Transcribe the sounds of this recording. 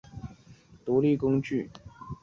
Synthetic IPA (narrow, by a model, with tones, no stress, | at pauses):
t̪u˧˥li˥˩kʊ˥ŋt͡ɕy˥˩